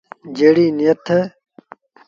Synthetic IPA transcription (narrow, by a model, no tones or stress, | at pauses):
d͡ʑeɽiːnijɐt̪ʰɐ